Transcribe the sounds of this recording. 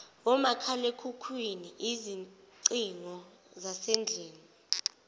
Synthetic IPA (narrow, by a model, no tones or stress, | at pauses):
ɔmakʰalekʰukʰwiniʔiziǀiŋɔ | zasend͡ɮʱeːni